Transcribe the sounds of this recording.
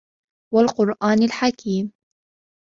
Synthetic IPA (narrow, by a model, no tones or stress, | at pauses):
walqʊɾˤʔaːnalħakʰiːm